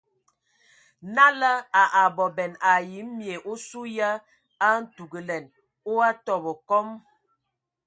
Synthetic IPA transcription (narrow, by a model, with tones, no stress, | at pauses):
na˦lə˦a˨ʔa˨bɔ˨bɛ˨na˨ji˨˦mmje˨ʔo˦su˦ja˦ | a˦n̩˦tu˨ɡə˨lɛ˨n | o˦a˦tɔ˨bɔ˨kɔ˦m